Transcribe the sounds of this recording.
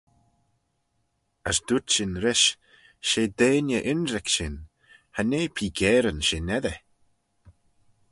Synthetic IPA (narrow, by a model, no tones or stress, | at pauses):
asd̪̥utʃɪnɾɪʃ | ʃeːd̪eːnjəʔɪnɾɛkʃɪn | haneːpʰiːɡɛːɾənʃeːnɛðə